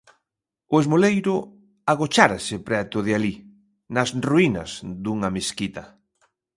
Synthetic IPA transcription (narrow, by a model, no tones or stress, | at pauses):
ʊezmolejɾʊ | aɣot͡ʃaɾasɪpɾɛt̪ʊðeali | nɐsruinɐ̰zd̪uŋɐmeskit̪ɐ